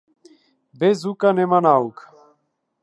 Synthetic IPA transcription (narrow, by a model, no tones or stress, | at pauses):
bɛzukʼanɛmanauk